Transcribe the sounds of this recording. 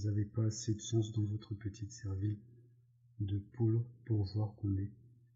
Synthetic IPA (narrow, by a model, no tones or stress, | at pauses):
zavepaːsed̪əʃɑ̃s̬d̪ɑ̃vɔt̪χəpət̪ʰit̪sɛʁvil | d̪əpulpuʁvwaʁkɔ̃ne